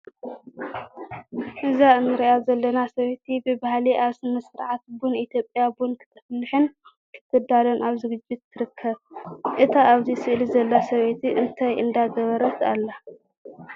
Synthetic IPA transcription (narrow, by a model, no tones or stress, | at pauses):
ʔɨzaɨnɨɾiʔazɐlːɐnasɐβet̪ʰibɨbahliʔaβsɨmɐsɨɾʕat̪̚bunit̪ʰjo̞pʼjabunkʰɨ̥t̪ʰɐ̥flːɨħɨn | kʰɨ̥t̪ʰːɨd̪alɐnʔaβzɨɡɨd͡ʒːɪt̪ːɨɾɨkʰːɐβʔɨt̪ʰaʔaβzisɨʔlizɐlːasɐβet̪ʰiʔɨnt̪ʰajʔɨnd̪aɡɐβɐɾɐt̪alːa